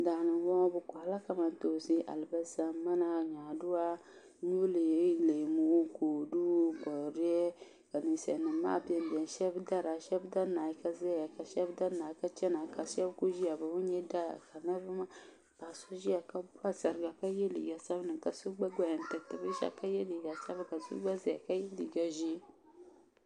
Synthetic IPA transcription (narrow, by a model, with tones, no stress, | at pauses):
daː˨nɨ˨˦wɔ˦bɨ˨kʷa˨la˦ka˨ma˨n˦to˨si˦ʔa̰˨lba˦za˦ma˦na˦ɲaː˨du˦a˦ | ɲu˦le˨˦le˨mu˦ko˨du˦ɡɔ˨ɾi˦ɛ˦ | ka˨nɨ˨sɛ̰˨nɨ˨˦ma̰ː˦˨bi˦ɛ˨m˨bi˨ɛ˨n˨ʃɛ˦bda˦ɾa˨ʃɛ˦bda˦na˨ji˦ka˦zɛ˦a˨ka˨ʃɛ˦bda˦naː˨˦ka˦t͡ʃɛ˦na˨˦ka˨sɛ˦bku˦ʒi˦a˨bɨ˨wu˦ɲɛ˦da˦a̰˨ka˨na˦bɨ˦ma˦ | b̥a˨su˦ʒi˦a˨ka˦ba˦sa˨ɾɡa˨ka˦je˦lḭ˨ɡa˨sa˦bnɨ˨ka˨su˦ɡ͡ba˦ɡʷa˨ja˨n˨tɨ˨k̚tɨ˨bi˦ʃa̰˦ka˦je˦li˨ɡa˨sa˦bka˨sṵ˦ɡ͡ba˦zɛ˦a˨ka˦je˦lḭ˨ɡa˨ʒi˦